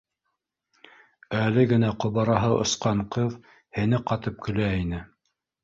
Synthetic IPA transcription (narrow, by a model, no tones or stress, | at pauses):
ælɘɡɘ̆næqŏβɑɾɑɦɤʔŏ̰sqɑɴqɤð | hɘ̆nɘqɑt̪ɤp̚kɵ̆læinɘ